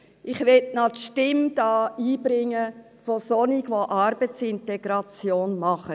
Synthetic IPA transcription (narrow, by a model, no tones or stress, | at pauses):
ʔɪχʋɛtnɑtʃtɪmd̥ɑːiːbɾɪŋːə | fosoniɡʋoʔɑɾbət͡sɪntɛɡ̥ɾɑt͡sjoːnmɑχə